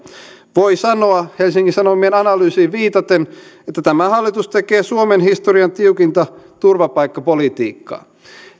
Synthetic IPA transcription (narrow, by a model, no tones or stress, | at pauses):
ʋo̞jsɑno̞ɑhelsiŋkisɑnomienɑnɑlyːsiːʋiːt̪ɑt̪enet̪ːæt̪æmæhɑlːit̪ust̪ekeːsuomenɦist̪oriɑnt̪iuwkint̪ɑt̪urʋɑpɑjkːɑpolit̪ḭːkːɑ̰ː